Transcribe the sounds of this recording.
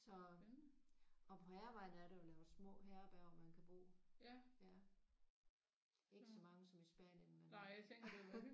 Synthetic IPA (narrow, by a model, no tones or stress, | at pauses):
sɒ̽ | ɒ̽pʰɒ̽hæɐʋɑ̈ɪ̰nəæɐɾejolɛːʊsmɔ̰̽ːɦɛːɐb̥æɐɒmænkʰæb̥o̝̰ːjæ | e̝ɡ̥əsɒ̽mɑ̈ŋəsɒ̽misb̥æ̰ːnjənmenjaeŋɡd̥e